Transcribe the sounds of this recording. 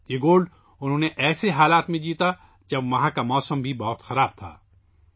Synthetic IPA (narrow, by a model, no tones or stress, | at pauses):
jeːɡoːlɖ | ʊnɦõːneʔɛːseɦaːlaːt̪mẽd͡ʒiːt̪a | d͡ʒɐbʋɐɦãkamɔːsəmbʱibɔːt̪xɐɾaːb̚t̪ʰa̰ː